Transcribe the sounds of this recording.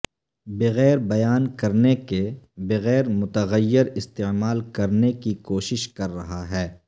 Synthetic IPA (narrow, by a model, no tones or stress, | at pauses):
bɪɣɛːɾbɐjaːnkɐɾnekebeɣɛːɾmʊt̪əɣəjːɪɾɪst̪emaːlkɐɾnekikoːʃɪʃkɐɾːɐɦaɦɛː